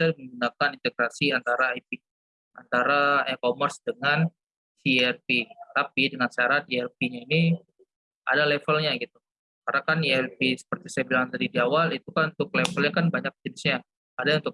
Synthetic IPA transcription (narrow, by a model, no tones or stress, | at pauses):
sadiməŋɡunakanint̪eɡɾasiant̪aɾaːjpi | ant̪aɾaɛkomərsdəŋan | siɛrpit̪apidəŋansaɾat̪̚iɛrpiɲaini | a̰dalɛfəlɲaɡit̪u | karnakaniɛrpisə̥pərt̪isajabilaŋndaɾidiawalit̪ukanunt̪ʊk̚lɛfəlɲakanbaɲak̚d͡ʒənɪsɲaː | daunt̪ʊk̚